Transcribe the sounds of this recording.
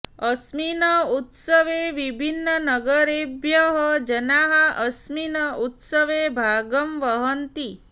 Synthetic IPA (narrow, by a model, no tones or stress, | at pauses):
əsminəut̪səʋeʋibʱinːənəɡəɾebjəɦəd͡ʒənaɦəʔəsminəut̪səʋebʱaɡəmʋəɦənt̪i